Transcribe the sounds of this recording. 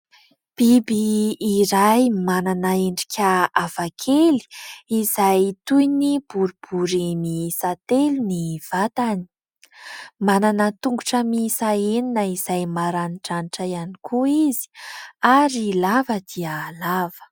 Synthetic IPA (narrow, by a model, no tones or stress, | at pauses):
b̥ibiːɾajmananəeɳɖ͡ʐi̥kʲʰəav̥akʰeli̥iz̥ajt̪ujnib̥uɾub̥uɾimisat̪eluniv̥at̪ani̥ | mananət̪uŋɡuʈ͡ʂəmisaeninəizajmaɾaniʈ͡ʂanʈ͡ʂəjanikʰuizi̥aɾilavəd̪̥iəlav̥ə̥